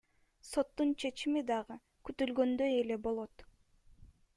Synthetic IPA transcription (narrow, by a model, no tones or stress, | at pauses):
so̞t̪ːunt͡ʃʰe̞t͡ʃimid̪ɑʁɯ | kyt̪ylɡø̞nd̪ø̞je̞le̞bo̞lˠo̞t̪